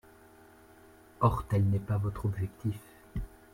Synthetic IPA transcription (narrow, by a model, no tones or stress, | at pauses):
ɔʁt̪ɛlnɛpavɔt̪χɔbʒɛkt̪if